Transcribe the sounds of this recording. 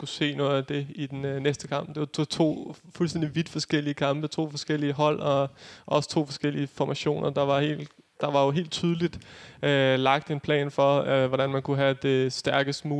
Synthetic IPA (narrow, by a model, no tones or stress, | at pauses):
kuse̝̰ːnɔ̽ːð̩ˠæd̥e̝id̥ennesd̥əkʰɑ̈m̰b̥d̥e̝ʋɑt͡sʰot͡sʰo̝̰ːfulsd̥end̥iʋid̥fɒ̽sɡ̥el̰iəkʰɑ̈mb̥ət͡sʰo̝̰ːfɒ̽sɡ̥el̰iəɦɒ̽l̰ɒ̽ʔɒ̽sə̥t͡sʰo̝̰ːfɒ̽sɡ̥el̰iəfɒmʔæɕo̝̰ːnʔɐd̥ɑ̈ʋɑ̈he̝̰ːld̥ | d̥ɑ̈ʋɑ̈jo̝ɦe̝̰ːld̥̚t͡sʰyːð̞ˠlid̥ølɑ̈ɡ̥̚d̥e̝npʰlɛ̰ːnfɒ̽ʋɒɾ̥ænmænkʰuɦæd̥e̝sd̥æɐɡ̥əsd̥muː